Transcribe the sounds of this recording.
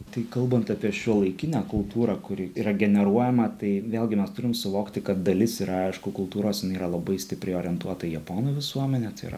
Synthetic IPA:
t̪ɐɪkɐlˠbɐnt̪ɐpʲiɛʃʲuɔlˠɐɪkʲɪnʲækʊlˠt̪uːɾɑkʊɾʲɪiːɾɐɡʲɛnʲɛɾuɔjɛmɐt̪ɐɪʋʲeːlʲˠɡʲɪmʲɛst̪ʊɾʲɪmsʊʋoːkt̪ʲɪkɐt̪̚d̪ɐlʲɪsiɾɐɐɪʃkʊkʊlˠt̪uːɾoːsjɪnɐɪiːɾɐlˠɐbɐɪsʲt̪ʲɪpʲɾʲɛɪoːɾʲɛnt̪uɔt̪ɐjɛpoːnʊːʋʲɪsuɔmʲɛnʲɛt̪ɐɪ̰ɾɐ̰

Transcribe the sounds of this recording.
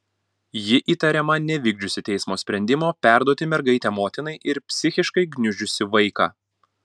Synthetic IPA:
jɪʔiːt̪ɐɾʲɛmɐnʲɛʋʲɪɡd͡ʒʲʊsʲɪt̪ʲɛɪsmoːsʲpʲɾʲɛnʲd̪ʲɪmoːpʲæˑɾd̪uɔt̪ʲɪmʲɛɾɡɐɪt̪ʲɛːmoːt̪ʲɪnɐɪʔɪɾpʲsʲɪxʲɪʃkɐɪɡnʲʊʒʲʊsʲɪʋɐɪkɑ̰

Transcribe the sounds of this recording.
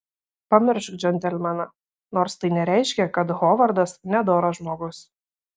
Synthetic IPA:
pɐmʲɪɾʃkd͡ʒʲɛnʲt̪ʲɛlʲmʲɛnɐ | noːɾst̪ɐɪnʲɛɾʲɛɪʃʲkʲɛkɐt̪ɣoːʋɐɾd̪ɐsnʲɛd̪oːɾɐʒmoːɡʊs

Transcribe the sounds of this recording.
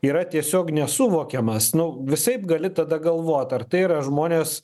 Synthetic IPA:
iːɾɐt̪ʲiɛsʲoːknʲɛsʊʋoːkʲɛmɐsnʊʋʲɪsɐɪpɡɐlʲɪt̪ɐd̪ɐɡɐlˠʋoːt̪ɐrt̪ɐɪɾɐʒmoːnʲeːs

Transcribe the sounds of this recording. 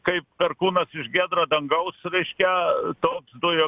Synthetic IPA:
kɐɪp̚kɐrkuːnɐsɪʃɡʲæːd̪ɾɐd̪ɐŋɡɐʊsɾʲɛɪʃʲkʲɛt̪oːksd̪ʊjo

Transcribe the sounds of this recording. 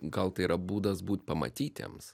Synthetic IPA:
ɡɐlˠt̪ɐɪiɾɐbuːd̪ɐsbuːt̪ʲpɐmɐ̰t̪ʲiːt̪ʲḛːms

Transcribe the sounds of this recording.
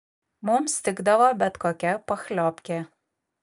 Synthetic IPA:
mʊmst̪ʲɪɡd̪ɐʋoːbʲɛt̪koːkʲɛpɐxlʲɔːpʲkʲe

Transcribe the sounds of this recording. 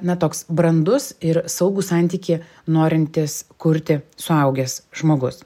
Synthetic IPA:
nɐt̪oːksbɾɐnd̪ʊsɪɾsɐʊɡuːsɑˑnʲt̪ʲiːkʲi | noːɾʲɪnʲt̪ʲɪskʊɾʲt̪ʲɪsʊɐʊɡʲɛsʒmoːɡʊs

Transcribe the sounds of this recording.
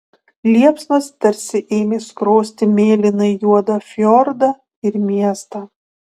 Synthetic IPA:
lʲiɛpsnɐst̪ʲɐɾʲsʲɪʔeːmʲeːskɾoːsʲt̪ʲɪmʲeːlʲɪnɐɪjuɔd̪ɐfʲjɔɾd̪ɐ | ɪɾmʲiɛst̪ɐ

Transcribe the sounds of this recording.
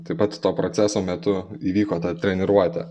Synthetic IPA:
t̪ɐɪpɐt̪t̪oːpɾot͡s̪ʲæsoːmʲɛt̪ʊiːʋʲiːkoːt̪ɐt̪ʲɾʲɛnʲɪɾuɔt̪ʲɛ̰

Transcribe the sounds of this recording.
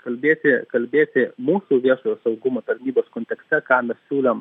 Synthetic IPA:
kɐlʲbʲeːt̪ʲɪkɐlʲbʲeːt̪ʲɪmuːsuːʋʲiɛʃoːjoːsɐʊɡʊmoːt̪ɐɾʲnʲiːboːskoːnʲt̪ʲɛksʲt̪ʲɛkɑːmʲɛssʲuːlʲɛm

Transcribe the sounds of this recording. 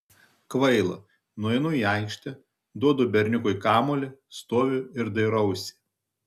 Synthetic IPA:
kʋɐɪlˠɐ̰ | nuɔɛɪnuiɑˑɪkʃʲt̪ʲɛ | d̪uɔd̪ʊːbʲɛɾʲnʲʊkʊɪkɑːmoːlʲɪst̪oːʋʲʊɪɾd̪ɐɪɾɐʊsʲɪ̥

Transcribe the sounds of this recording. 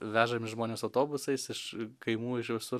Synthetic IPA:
ʋʲæːʒɐmʲɪʃʒmoːnʲeːsɐʊt̪oːbʊsɐɪsɪʃkɐɪmuːɪʃʋʲɪsʊɾ

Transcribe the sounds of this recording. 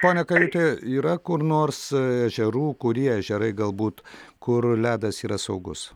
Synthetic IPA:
poːnʲɛkɐjut̪ʲeːiːɾɐkʊrnoːrsæʒʲɛɾuːkʊɾʲiɛɛʒʲɛɾɐɪɡɐlˠbuːt̪kʊrlʲæːd̪ɐsiːɾɐsɐʊɡʊ̰s

